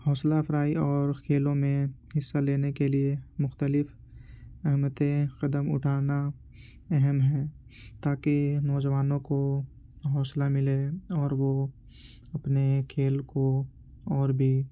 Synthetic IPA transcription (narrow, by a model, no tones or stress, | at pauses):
hɔːslapʰɾaːiɔːɾkʰeːlõmẽhɪsːaleːnekeliemʊxt̪əlɪf | ɛɦmət̪ẽqɐd̪əmʊ̰ʈʰaːna | ɛɦɛmɦɛ̃ː | t̪aːkinɔːd͡ʒʋaːnõko | ɦɔːslamɪleɔːɾʋo | ɐpnekʰeːlko | ɔːɾbʱi